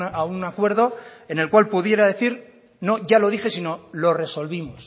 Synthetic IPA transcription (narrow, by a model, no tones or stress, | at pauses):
aunakwe̞ɾðo̞e̞ne̞lkwalpuðje̞ɾaðe̞θiɾ | no̞ʝalo̞ðixe̞sino̞lo̞re̞so̞lβimos